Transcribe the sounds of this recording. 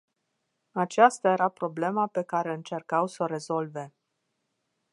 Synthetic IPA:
at͡ʃast̪aje̞ɾapɾo̞ble̞mape̞kaɾe̞ɨnt͡ʃe̞rkawsoɾe̞zo̞lve̞

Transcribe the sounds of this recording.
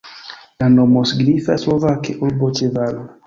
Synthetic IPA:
lanomɔsɡɾifaslovakeʔolbot͡ʃeval

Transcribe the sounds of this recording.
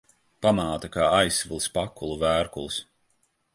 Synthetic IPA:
pamaːt̪akaːajsvilˠspakːulˠuvæːɾkulˠs

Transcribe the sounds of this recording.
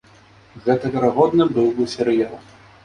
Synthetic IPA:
ɣɛt̪ɐvʲɛɾaɣɔd̪nɨbɨwbɨsʲɛɾɨjalˠ

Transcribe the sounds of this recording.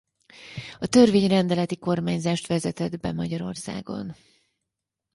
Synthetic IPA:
ɒt̪ø̞rveːɲrɛnd̪ɛlɛt̪iko̞rmaːɲzaːʃt̪ʋɛzɛt̪ɛd̪bɛ̰mɒɟɒɾo̞rsa̰ːɡo̞̰n

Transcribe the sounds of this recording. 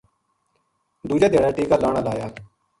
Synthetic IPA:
d̪uːd͡ʒaːd̪eːɽaːʈeːkaːlaːɽaːlaːjaː

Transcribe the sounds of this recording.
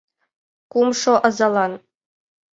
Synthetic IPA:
kumʂoʔɤ̆zɑlˠɑn

